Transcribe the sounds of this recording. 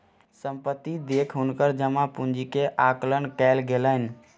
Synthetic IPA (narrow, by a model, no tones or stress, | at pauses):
səmpət̪ːid̪ekʰɦunkəɾd͡ʒəmapund͡ʒikeʔaklənkɛlɡelən̆